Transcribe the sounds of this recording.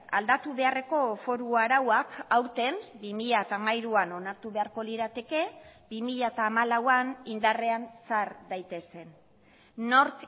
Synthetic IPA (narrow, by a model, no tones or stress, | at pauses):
a̰ld̪at̪uβe̞are̞ko̞fo̞ɾuaɾawakawɾt̪e̞mbimiʎaet̪aːmajɾuano̞naɾt̪uβe̞aɾko̞liɾat̪e̞ke̞bimiʎaet̪aːmalawanind̪are̞ansaɾd̪ajt̪e̞se̞nː | o̞ɾk